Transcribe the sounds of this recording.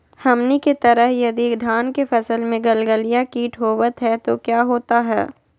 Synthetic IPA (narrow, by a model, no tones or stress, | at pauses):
hɐmniket̪ɐɾəɦjɐd̪id̪ʱaːnkefʰɛsəlmẽɡɐlɡəlijakiːʈʰɦoːʋət̪ɦɛt̪okjaːɦoːt̪aɦɛː